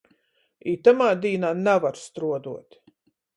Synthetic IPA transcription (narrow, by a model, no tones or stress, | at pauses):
iːt̪amaːd̪iːnaːnavaɾst̪ɾuɔd̪uɔt̪